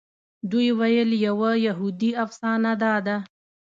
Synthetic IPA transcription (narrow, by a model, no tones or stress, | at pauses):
d̪ujwajəljawajaɦud̪iafsɑnad̪ɑd̪a